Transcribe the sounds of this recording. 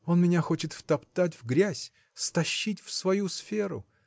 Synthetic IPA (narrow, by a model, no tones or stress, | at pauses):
o̞nmʲɪnʲaxo̞t͡ɕɪt̪ft̪ɐpt̪at̬ʲvɡɾʲæsʲ | st̪ɐɕːitʲfsvɐjusfʲeɾʊ̰